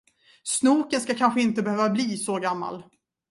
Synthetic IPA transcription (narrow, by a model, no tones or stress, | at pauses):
snuːkənskakʰanɧəɪnt̪əbɛhøːvabliːsɔɡamːa̰l